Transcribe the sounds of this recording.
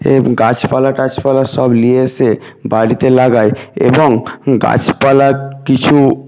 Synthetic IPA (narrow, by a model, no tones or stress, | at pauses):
ḛɡat͡ɕpalaʈat͡ɕpalaʃɔblieʃe | baɽit̪elaɡaeḛboŋɡa̰t͡ɕpalakit͡ɕʰu